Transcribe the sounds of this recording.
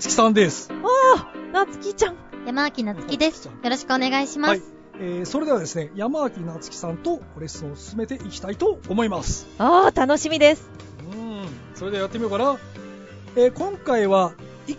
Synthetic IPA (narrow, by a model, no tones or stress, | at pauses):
t͡sɨ̥kʲi̥sãnd̪e̞sɨ̥aːnat͡sɨ̥kʲit͡ɕãŋjamaakʲinat͡sɨ̥kʲid̪e̞sjo̞ɾo̞ɕi̥kɯone̞ɡaiɕimaai̥ | eːso̞ɾe̞d̪e̞βad̪e̞sɨne̞jamaβakʲinat͡sɨ̥kʲi̥sãnt̪o̞oɾesɨõosɨ̥sɨme̞t̪e̞ʔikʲi̥t̪ait̪o̞ːmo̞imasɨ̥aːt̪ano̞ɕimʲid̪e̞sɨ̥ | ɯ̃ | so̞ɾe̞d̪eajat̪ːemʲijo̞kana | eːkõ̞ŋkaiβa